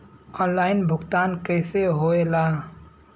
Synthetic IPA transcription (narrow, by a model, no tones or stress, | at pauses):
ɔːnlaːɪnbʱʊkt̪aːnkəɪseɦoelaː